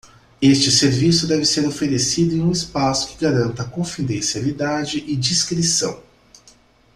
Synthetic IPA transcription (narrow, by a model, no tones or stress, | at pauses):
est͡ʃɪseɾvisʊd̪ɛvɪseɾofeɾesid̪ʊẽũɪspasʊ̥kɪɡaɾɐ̃nt̪ɐkõfid̪ẽsialid̪ad͡ʒɪʔɪd͡ʒiskɾisɐ̰̃w̃